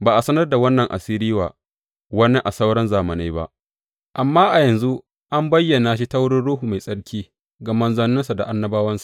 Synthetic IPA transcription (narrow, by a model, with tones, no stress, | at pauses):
baː˨ʔa˨sɐ˦nɐ˦rda˨wɐ˦nːɐ˨ŋʔa̰˨siː˦ɾiː˦waː˨ | wɐ˦nːe˦ʔa˨sa˦wɽɐ˦nzaː˨mɐ˨na˦jba̰˦ʔ | ʔa˨mːaː˦ʔa˨jɐ˨nzu˦ | ʔa˦mbɐ˦jːɐ˨naː˨ʃi˦ta˦wɽɪ˦nɽuː˦ɦu˨ma˨jsʼɐ˦ɽkʲiː˦ | ɡɐ˨mɐ˦nzɐ˦nːʊ˦nsa˨da˨ʔa˦nːɐ˦baː˦wɐ˦nsḁ˨